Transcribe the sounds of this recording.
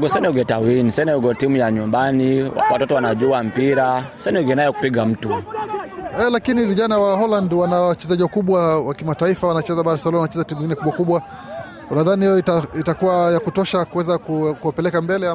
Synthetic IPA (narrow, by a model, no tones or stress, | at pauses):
ɡɔsɛnɛuɡɛtawinisɛnɛuɡɔtimujaɲumbania̰wa̰tɔtɔwanaʄuam̩piɾasɛnɛɡɛnajɔku̥piɠam̩tu | ɛlakiniviʄanawaɦɔlandwanawat͡ʃɛzaʄiwakuɓwawakimataifawanat͡ʃɛzaɓaɾɛsalamwanat͡ʃɛzatimuɲŋɡinɛkuɓwakuɓwa | unaðanihijɔitaitakuwajakutɔʃakuwɛzakukuwapɛlɛkambɛlɛ